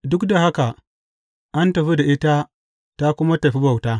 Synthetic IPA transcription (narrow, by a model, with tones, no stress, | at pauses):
dʊ˦kda˨ha˦ka˨ | ʔa˦ntɐ˨ɸi˦da˨ʔi˦ta˦ | ta˦ku˦ma˦ta˨ɸi˦ba˨wta˦